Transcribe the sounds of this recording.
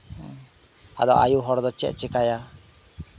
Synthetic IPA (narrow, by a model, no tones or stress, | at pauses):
a̰d̪ɔ̰ʔa̰juɦɔɽd̪ɔt͡ʃɛ̰ʔt͡ʃɛkaja